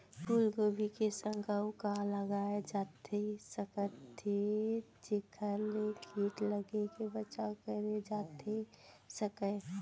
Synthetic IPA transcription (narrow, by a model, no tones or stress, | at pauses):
pulɡobʱikesə̃ŋɡəwkaləɡaed͡ʒat̪ʰesəkət̪ʰːet͡ʃekʰəlekʰiʈləɡekebət͡ʃakəɾed͡ʒat̪esəkə